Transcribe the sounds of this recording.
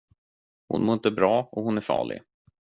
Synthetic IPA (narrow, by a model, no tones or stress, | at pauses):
hʊ̰nmoːɪnt̪əbɾɑːɔhʊnæɾfɑ̰ːɭɪ̰